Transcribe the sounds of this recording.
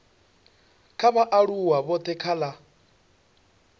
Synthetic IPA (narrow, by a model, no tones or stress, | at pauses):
kʰaβaʔaɺuwaβɔt̪ʰɛkʰala